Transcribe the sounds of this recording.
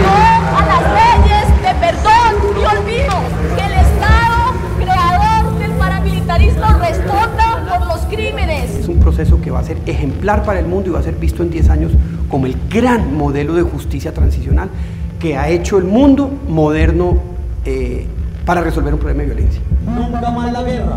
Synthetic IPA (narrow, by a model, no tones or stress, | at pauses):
oalasreʝezd̪e̞peɾðoniolβiðo | keːlest̪aðo | kɾe̞aðoɾd̪e̞lpaɾamilit̪aɾizmorest̪ond̪a | oɾloskɾime̞nesesumpɾose̞so̞ke̞βa̰se̞ɾe̞xe̞mplaɾpaɾae̞lmũnd̪oiβase̞ɾbist̪oe̞nd̪je̞saɲosko̞moe̞lɡɾanmo̞ðe̞loðe̞xust̪isjat̪ɾansisjo̞nal | ke̞ae̞t͡ʃo̞e̞lmũnd̪o̞mo̞ðe̞ɾnoepaɾare̞solbeɾumpɾoleaejole̞̰nsjanũaɾamazlaɣera